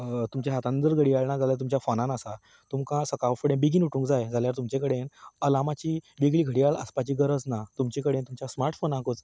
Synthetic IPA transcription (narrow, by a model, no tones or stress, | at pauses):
t̪umt͡ɕaɦat̪ãnənd͡z̪əɾɡʱəɽiaɭɳad͡zʱalajt̪̬umt͡ɕjafonãnasa | t̪umkãsəkaʋfəɽẽbiɡiːnuʈʰũŋkd͡zajd͡zʱaljaɾt̪umt͡ɕẽkəɽenəlamat͡ɕiːʋiɡɭiːɡʱəɽiaɭə̰spat͡ɕiːɡəɾəd͡znat̪umt͡ɕẽkəɽent̪umt͡ɕasmaɾʈfonãɦkot͡s